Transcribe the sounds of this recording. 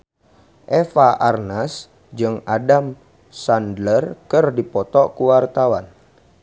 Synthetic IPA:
ʔɛfaʔarnas | d͡ʒɨŋadam | sandlərkɨrdipɔt̪ɔʔkuwart̪awan

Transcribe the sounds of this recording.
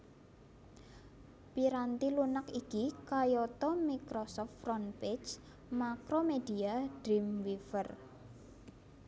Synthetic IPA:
piɾant̪ilunakikikajɔt̪ɔmikɾɔsɔft̪frɔnpet͡ʃ | makɾomedi̤aɖ̥ɾimwifər

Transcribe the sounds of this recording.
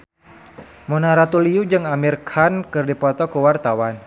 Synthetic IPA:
monaɾat̪uliud͡ʒɨŋamirkʰankɨrdipɔt̪ɔkəwart̪awan

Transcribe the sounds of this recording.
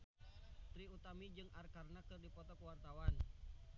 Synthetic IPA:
t̪ɾiut̪amid͡ʒɨŋarkarnakɨrdipɔt̪ɔkuwart̪awan

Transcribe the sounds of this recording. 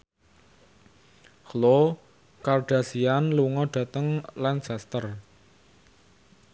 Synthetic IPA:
hlo | karɖ̥a̤sianluŋɔɖ̥a̤t̪əŋlansast̪ər

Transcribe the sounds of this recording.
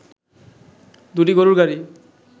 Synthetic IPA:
d̪uʈiɡɔɾuɹɡaɹi

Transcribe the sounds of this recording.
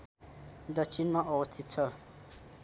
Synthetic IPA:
d̪ʌkt͡sʰinmaʔʌbʌst̪ʰit̪̚t͡sʰʌ

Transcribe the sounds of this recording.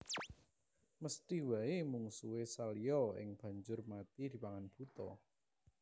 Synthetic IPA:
məst̪iwaimuŋsuwesalijɔɪ̰ŋb̥ä̤ɲd͡ʒʊrmat̪id̪̥i̤paŋanb̥ut̪ɔ̰

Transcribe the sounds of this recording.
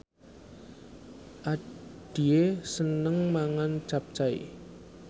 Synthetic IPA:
ʔaɖ̥iesənəŋmaŋan̥t͡ʃap̚t͡ʃaḭ

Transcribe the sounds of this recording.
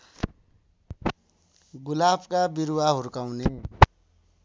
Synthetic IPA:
ɡulabkabiɾuwaɦuɾkaw̃ne

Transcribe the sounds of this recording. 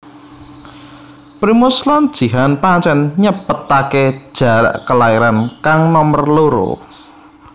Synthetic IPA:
pɾimuslɔnd̥ʒ̥i̤ɦanpaɲt͡ʃɛnɲəpət̪aked̥ʒ̥a̤ɾa̰ʔkəlaiɾankaŋnɔmərloɾo̰

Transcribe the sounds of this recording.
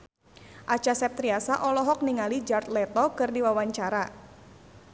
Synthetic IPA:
ʔat͡ʃasɛp̚t̪ɾiasaʔɔlɔɦɔk̚niŋalid͡ʒart̪lɛt̪ɔkɨrdiwawaɲt͡ʃaɾa

